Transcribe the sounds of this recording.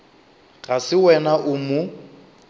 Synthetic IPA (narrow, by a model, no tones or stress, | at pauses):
ɣasɪwɛnaʔʊmʊ